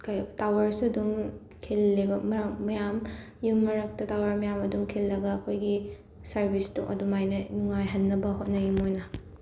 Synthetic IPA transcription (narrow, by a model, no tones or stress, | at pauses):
kʰajtawɐɾsuɐduŋ | kʰilːibɐmɐɐmɐjam | jumːɐɾɐk̚tɐtawɐɾmɐjamɐdumkʰilːɐɡɐːkʰojɡi | sɐɾbistṵŋʔɐ̰dumajnɐnuŋajɦɐnːɐbɐɦot̚nɐɡimojnɐ